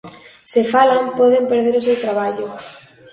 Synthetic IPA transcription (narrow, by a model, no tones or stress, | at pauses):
sefalampɔðempeɾðeɾosewt̪ɾaβ̞aʎʊ